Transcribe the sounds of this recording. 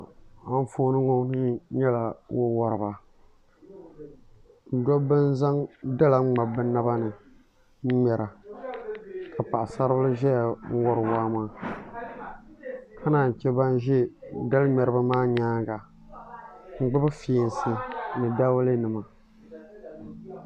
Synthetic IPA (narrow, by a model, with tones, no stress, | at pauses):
a˨ɱ˦foː˦nɨ˦ŋo˦nɨ˦ɲɛ˦la˨wʔo˦wa˨ɾɨ˨ba˨ | n̩˨dɔ˦bɨ˦n˦za˦ŋda˦la˨ŋ͡mŋ͡ma˨bɨ˦na˦ba˦nɨ˨˦ | mɛ˨ɾa˨ | ka˨pa˨ʔa˨sa˦ɾbɨ˦lɨ˦ʒɛ˦ja˨ŋ̩˦wɔ˦ɾɨ˨waː˦maː˦ | kʰa˦naː˨ɲ˨t͡ʃɛ˦ba˦n˦ʒɛ˦da˦lɨ˦mɛ˨ɾɨ˦ba˦maː˦ɲaː˦ɡa˨ | ŋ͡m̩˨ɡ͡bɨ˦bɨ˦fi˨˦n˦sɨ˦nɨ˨da˦wle˦nɨ˨ma˨